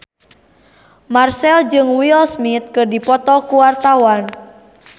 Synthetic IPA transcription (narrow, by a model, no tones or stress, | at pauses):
marsɛld͡ʒɨŋwilsmit̪̚kɨrdipɔt̪ɔkuwart̪awan